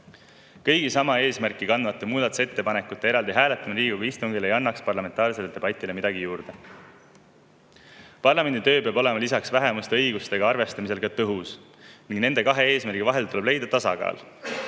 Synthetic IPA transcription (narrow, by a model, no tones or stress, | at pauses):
kɤjɡ̥isɑmɑe̞ːsmærkːˑikɑnd̪vɑt̪ːˑemuːd̪ɑt̪u̥se̞t̪ːe̞pɑne̞kːˑut̪ːˑe̞e̞ɾɑld̪iɦæːlet̪ːˑɑmɑliːɡ̥uvist̪uŋɡilejɑnːɑkspɑrlɑme̞nt̪ɑːrse̞led̪̥e̞bɑt̪ʲːˑile̞mid̪ɑɡijuːrd̪̥e̞ | pɑrlɑme̞nd̪it̪ø̞ːpeɑbo̞le̞mɑlisɑksvæɦemust̪eɤjɡ̥ust̪e̞ɡ̥ɑɑrve̞st̪ɑmise̞lkɑt̪ɤɦus | niŋɡne̞nd̪ekɑɦe̞e̞ːsmærɡ̥ivɑɦe̞lt̪ule̞b̥le̞jd̪̥ɑt̪ɑsɑ̰ɡɑ̰ːl